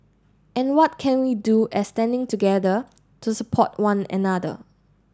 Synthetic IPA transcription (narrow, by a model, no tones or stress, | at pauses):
ʔɛ̃nwɔt̚kʰɛ̃nwiduʔɛstɛ̃ndɪ̃ŋtuɡɛdə | tʰusəpʰɔt̚wãnɛ̰nadə̰